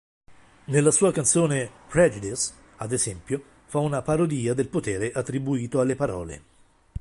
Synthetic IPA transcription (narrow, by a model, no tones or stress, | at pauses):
nelːasuːakant̪soːnepɾɛd͡ʒid̪is | ad̪ezɛmpjo | faunapaɾod̪iːad̪elpot̪ɛːɾeʔat̪ːɾibuiːt̪oalːepaɾɔ̰ːlḛ